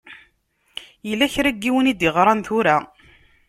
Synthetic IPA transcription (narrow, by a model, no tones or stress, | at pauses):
jəlːæçɾæɡːiwənid̪jəʁɾˤɑnθʊɾa